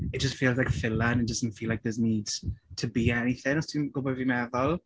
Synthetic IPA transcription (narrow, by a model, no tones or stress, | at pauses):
ɪt̚d̥ʒ̥ʌstfiːlˠzlaɪkfɪlə̃nɪt̚d̥əzn̩tfiːlaɪk̚ðəzniːdz̥tʰəbiɛniθɪ̃nɔstiɡ̥oʊbɔvimɛðəlˠ